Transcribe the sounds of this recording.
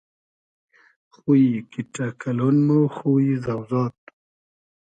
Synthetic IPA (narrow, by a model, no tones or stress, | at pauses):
xujikiʈakʰalonmoxuizawzɑːt̪̚